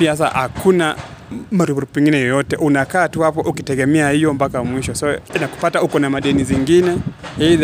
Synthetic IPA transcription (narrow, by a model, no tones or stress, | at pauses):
piahas̬a̰ha̰kʰuna | maɾubuɾpɛŋɡinɛjɔjɔtɛʔunakaːtuhapɔʔukitɛɡɛmɛahijɔmbakamwiʃɔsainaku̥pataukɔnamaɗɛniziŋɡinɛhið